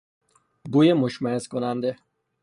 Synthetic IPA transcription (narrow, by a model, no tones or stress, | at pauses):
bujemoʃmaeskonand̪e